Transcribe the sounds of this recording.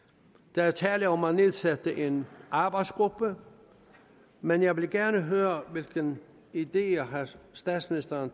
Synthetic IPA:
d̥æt͡sʰɛːləɒmːɑne̝ðˠsæd̥əʔe̝nʔɑ̈ːb̥ɑ̈ɪd̥sɡ̥ʁub̥ə | menjɑ̈ɪʋe̝lɡ̥æɐnəɦøːɐʋe̝lɡ̥ən | id̥e̝̰ːɐɦɑsd̥ɛ̰ːd̥sminisd̥ɐn

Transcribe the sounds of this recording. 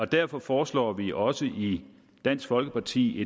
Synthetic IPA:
ɒ̽d̥æɐfɒ̽fɒːslɒ̰ːʋiʔɒ̽səʔi | d̥æn̰sɡ̥fɒ̽lɡ̥əpʰɑ̈t͡sʰḭːe̝

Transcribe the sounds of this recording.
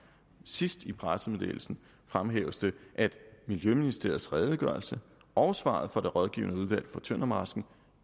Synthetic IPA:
sisd̥ipʰʁasəmedḛːl̩sn̩ | fʁamɦeːʊəsd̥əʔæd̥miljøminisd̥e̝ɐ̰ð̩ˠsʁɛːð̞ˠəɡ̥ɶɐlsəʔɒʊsʋɑ̰̈ð̞̩ˠfɒ̽ɾ̥e̝ʁɒ̽ð̞ˠɡ̥ḭːʊnəuð̞ˠʋæl̰fɒ̽t͡sʰønɐmɑ̈sɡ̥n̩

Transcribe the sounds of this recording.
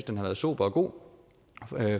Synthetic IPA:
sd̥enhæʋæːɐð̞̩ˠsṵːb̥ɐɒɡ̥o̝̰ː

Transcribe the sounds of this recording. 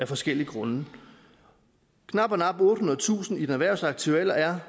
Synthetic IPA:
æfɒ̽sɡ̥el̰iəɡ̥ʁɔ̽nə | kʰnɑ̈b̥ɒnɑ̈b̥ɔ̽ːd̥hunɐðˠt͡sʰṵːsn̩id̥enæʋæɐ̰ʊsɑ̈ɡ̥̚t͡sʰuel̰ɐæɐ

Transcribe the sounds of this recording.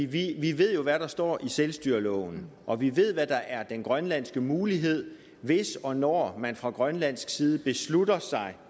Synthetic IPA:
iʋiʋe̝ð̞̰ˠjo̝ʋæɾ̥ɑ̈sd̥ɒ̰ːiselsd̥yːɐlɔ̰ʊn̩ʔɒ̽ʋiʋe̝ð̞̰ˠʋæd̥ɑ̈ʔæɐd̥enɡ̥ʁɶnlæn̰sɡ̥əmuːliɦe̝ð̞̰ˠ | ʋe̝sɒ̽nɒmænfʁɑ̈ɡ̥ʁɶnlæn̰sɡ̥siːð̞ˠəb̥e̝sludɐsɑ̈ɪ

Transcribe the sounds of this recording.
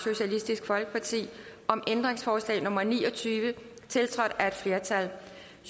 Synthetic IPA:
ɕo̝ɕælisd̥isɡ̥fɒ̽lɡ̥əpʰɑ̈t͡sʰḭːʔɒ̽mend̥ʁeŋsfɒːslɛ̰ːɪnɔ̽mɐnḭːɒ̽t͡sʰyːʋə | t͡sʰe̝lt͡sʰʁɒ̽d̥æɐe̝d̥fle̝ɐt͡sʰæl

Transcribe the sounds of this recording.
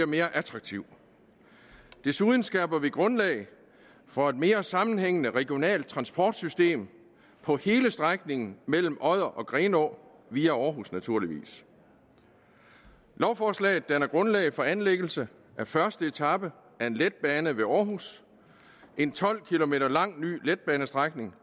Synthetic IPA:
ɐme̝ːɐʔæt͡sʰʁɑ̈ɡ̥̚t͡sʰiʊ̰ | d̥e̝suðˠn̩sɡ̥ɛb̥ɐʋiɡ̥ʁɔ̽nlɛ̰ɪ | fɒ̽e̝d̥me̝ːɐsɑ̈mn̩heŋ̰ənəʁɛɡ̥io̝nɛ̰ːld̥̚t͡sʰʁɑ̈nsb̥ʰɒ̰ːd̥sysd̥e̝̰ːm | pʰɒ̽he̝ːləsd̥ʁaɡ̥̚ne̝ŋn̩mel̰m̩ʔɒ̽ð̞̰ˠɐʔɒ̽ɡ̥ʁɛːnɒ̰ː | ʋiːæɒːɦusnæt͡sʰuɐ̰liʋḭːs | lɒʊfɒːslɛ̰ɪð̩ˠd̥ænɐɡ̥ʁɔ̽nlɛ̰ɪfɒ̽ænleɡ̥l̩sə | ʔæfɶɐsd̥əe̝t͡sʰɑ̈b̥ə | æɐe̝nled̥̚b̥ɛːnəʋe̝ɒːɦus | ʔe̝nt͡sʰɒ̽l̰kʰilo̝me̝̰ːɾɐlɑ̈ŋ̰ny̰ːled̥̚b̥ɛːnəsd̥ʁaɡ̥ne̝ŋ

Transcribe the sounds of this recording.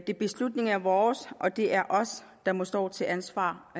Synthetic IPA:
d̥e̝b̥e̝slud̥ne̝ŋæɐʋɒːsʔɒ̽d̥e̝ʔæɐʔɒ̽s | d̥ɑ̈mɒ̽sd̥ɒ̰ːt͡sʰe̝lʔænsʋɑ̰̈ː

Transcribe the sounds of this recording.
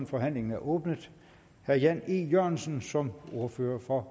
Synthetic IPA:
nfɒ̽ɦæn̰le̝ŋn̩æɐʔɔːb̥nəðˠ | hæɐjæniːjøɐ̰nsən̩sɒ̽mo̝ɐføːɐfɒ̽

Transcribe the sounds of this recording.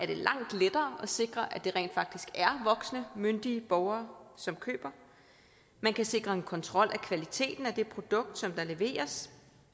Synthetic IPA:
ʔæɐd̥e̝lʔɑ̈ŋ̰d̥led̥ɐːʔɒ̽se̝ɡ̥ʁɐʔæd̥e̝ʁɛ̰ːnd̥fɑ̈ɡ̥̚d̥isɡ̥æɐʋɒ̽ɡ̥snəmønd̥iəb̥ɒʊɐːsɒ̽mkʰø̰ːb̥ɐ | mænkʰæse̝ɡ̥ʁɐe̝nkʰɒ̽nt͡sʰʁɒ̽l̰ʔækʰʋælit͡sʰe̝̰ːd̥n̩æd̥e̝pʰʁo̝d̥ɔ̽ɡ̥̚d̥sɒ̽md̥ɑ̈le̝ʋe̝̰ːɐs

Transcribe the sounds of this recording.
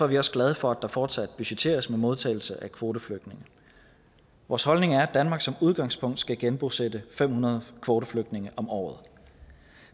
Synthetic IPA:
fɒɐʋiɒ̽sɡ̥læð̞ˠəfɒ̽æd̥ɑ̈fɒːd̥sæd̥b̥yɕe̥t͡sʰe̝̰ːɐsmemo̝ð̞ˠt͡sʰɛ̰ɪl̩səʔækʰʋo̝ːdəfløɡ̥d̥ne̝ŋə | ʋɒːshɒ̽lne̝ŋæɐæd̥ænmɑ̈ːɡ̥sɒ̽muð̞ˠɡ̥ɑ̈ŋ̰spʰɔ̽ŋ̰d̥sɡ̥æɡ̥enb̥o̝sed̥əfem̰hunɐð̞̩ˠkʰʋo̝ːɾɐfløɡ̥̚d̥ne̝ŋəʔɒ̽mɒ̰ːð̞ˠ

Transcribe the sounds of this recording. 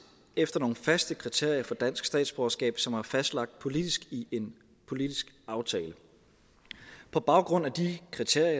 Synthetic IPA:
efd̥ɐno̝ːn̩fæsd̥əkʰʁit͡sʰe̝ɐ̰ijɐfɒ̽d̥æn̰sɡ̥sd̥ɛ̰ːd̥sb̥oːɐsɡ̥ɛ̰ːb̥sɒ̽mhɑ̈fæsd̥lɑ̈ɡ̥̚d̥̚pʰo̝lid̥isɡ̥iʔe̝n | pʰo̝lid̥isɡ̥ | ɑ̈ʊt͡sʰɛːlə | pʰɒ̽b̥ɑ̈ʊɡ̥ʁɔ̽n̰æd̥ikʰʁit͡sʰe̝ɐ̰jɐ

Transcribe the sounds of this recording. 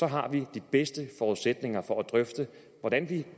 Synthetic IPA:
sɒ̽ɦɑ̈ʋid̥ib̥esd̥əfɒːused̥ne̝ŋɐfɒ̽ʔæd̥ʁœfd̥ə | ʋɒɾ̥ænʋi

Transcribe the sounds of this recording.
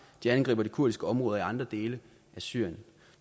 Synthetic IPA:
d̥iænɡ̥ʁḭːbɐd̥ikʰuɐ̰d̥isɡ̥əɒ̽mʁɔ̽ːðˠɐiɑ̈nd̥ʁɐd̥e̝ːlə | ʔæsy̰ɐ̰jn

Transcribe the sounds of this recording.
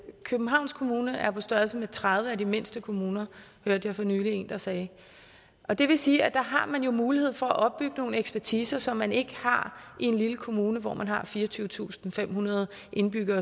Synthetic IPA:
kʰøb̥m̩ɦɑ̈ʊ̰nskʰo̝muːnəʔæɐpʰɒ̽sd̥ɶɐlsəmet͡sʰʁaðˠʋəæd̥ime̝n̰sd̥əkʰo̝muːnɐ | høɐd̥jɑ̈ɪfɒ̽nyːlie̝̰ːnd̥ɑ̈sɛː | ʔɒ̽d̥e̝ʋe̝siːæd̥ɑ̈ɦɑ̈mænjo̝muːlihe̝ð̰ˠfɒ̽æʔɒ̽b̥̚ːyɡ̥əno̝ːn̩eɡ̥spʰæɐt͡sʰiːsɐsɒ̽mːæne̝ɡ̥əhɑ̈ie̝nliləkʰo̝muːnəʋɒ̰mʔænɦɑ̈fiːɐt͡sʰyːʊət͡sʰṵːsn̩fem̰hunɐð̞ˠ | ʔe̝nb̥yɡ̥ɐ

